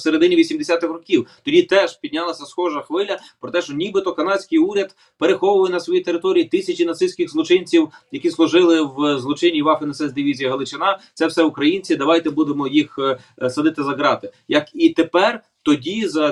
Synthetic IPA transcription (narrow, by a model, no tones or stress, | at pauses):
seɾed̪ɪnʲiʋʲisʲimd̪esʲat̪ɪxrɔkʲiwt̪ɔdʲit̪ɛʒpʲidʲnʲɑlˠɐsʲɐsxɔʒɐxʋɪlʲɐpɾɔt̪ɛʃt͡ʃɔnʲibɪt̪ɔkɐnɑt͡ssʲkɪjuɾʲɐd̪ | peɾexɔwʊʋɐjɛnɐsʋɔjit̪eɾɪt̪ɔɾʲijit̪ɪsʲɐt͡ʃinɐt̪sɪsʲkʲɪɣzlˠɔt͡ʃɪnʲt͡sʲiwjɐkʲislˠʊʒɪlˠɪwzlˠɔt͡ʃɪnʲːiʋɑfɪnɐsɛzd̪ɪʋʲizʲijɐɦɐlˠɪt͡ʃɪnɑt̪sɛwsɛʊkɾɐjinʲt͡sʲid̪ɐʋɑjt̪ɛbud̪emɔjix | sɐd̪ɪt̪ɪzɐɡɾɑt̪ɪjɐkit̪epɛr | t̪ɔdʲizɐ